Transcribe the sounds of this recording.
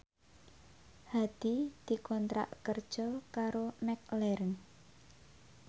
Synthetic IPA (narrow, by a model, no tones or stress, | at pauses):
had̪̥id̪̥i̤kɔnt̪ɾa̰ʔkərd̥ʒ̥ɔkaɾomɛk̚lɛɾəŋ